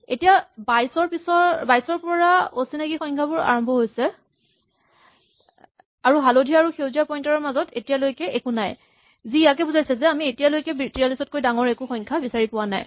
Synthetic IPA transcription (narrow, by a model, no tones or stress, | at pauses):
etijabajsɔɹpisɔbajsɔɹpɔɹaosinaɡixɔjŋkʰabʊɹa̰ɹɔmbʱɔɦojsɛ | aɹuɦalodʱiaaɹuxewziapɔjntaɹɔmazɔtetijalojkɛʔekunaj | zijak̬ɛbuzajsɛzɛamietijalojkɛbitiɹalisɔt̚kojdaŋɔɹekuxɔjŋkʰabisaɹipʊwana̰j